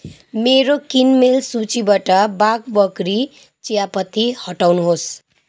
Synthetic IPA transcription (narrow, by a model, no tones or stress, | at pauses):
meɾokinmelsut͡sibaʈʌbaɡbʌɡɾi | t͡sijapʌt̪ihʌʈawnuɦos